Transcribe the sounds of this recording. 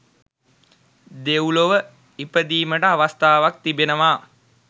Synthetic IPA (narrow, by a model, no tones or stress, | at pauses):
d̪ewloʋə | ipəd̪iːməʈəaʋast̪aːʋak̚t̪ibenəʋaː